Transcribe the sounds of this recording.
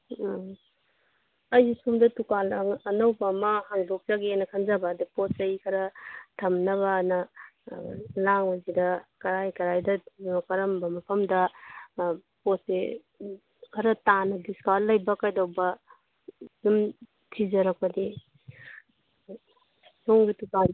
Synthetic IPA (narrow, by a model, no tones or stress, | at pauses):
ɐjzisumdɐtukalaŋːnɐwbamɐhaŋdok̚zaɡenɐkʰanzabadiposajkʰɐɾɐtʰɐmnɐβɐnɐ | laŋwazidɐkɐɾajkɐɾajdɐnokɐɾɐmbɐmɐpʰɐmdɐ | pose | kʰɐɾɐtanɐdiskaɾlɐjbɐkajdawbɐ | jum | tʰizɐɾak̚pɐdi | soŋɡituka